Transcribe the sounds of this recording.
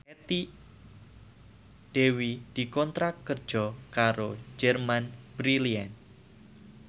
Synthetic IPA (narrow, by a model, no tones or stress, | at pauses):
ɛt̪i | d̥ewid̪̥i̤kɔnt̪ɾakːərd̥d͡ʒ̥ɔkaɾod͡ʒɛrmanbɾilian